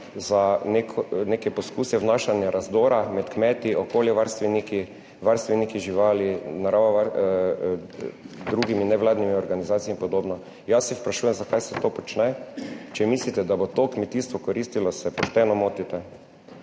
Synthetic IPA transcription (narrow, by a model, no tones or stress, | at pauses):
zanekʰnekɛpɔskuːsɛʋnaʃanjaɾazd̪oːɾamɛt̪kmɛːt̪iʔokoːljɛʋaɾst̪ʋɛniki | ʋaɾst̪ʋɛnikiʒiʋaːlinaɾaʋaʋaɾ | d̪ɾuɡiminɛʋlaːd̪nimiɔɾɡanizaːt̪sijimpɔd̪oːbnɔ | jasːɛpɾaʃuːjɛmzakajsɛt̪oːpɔt͡ʃnɛt͡ʃɛmislit̪ɛd̪abot̪okmɛt̪iːst̪ʋɔkɔɾist̪ilɔsɛpɔʃt̪ɛnɔmoːt̪it̪ɛ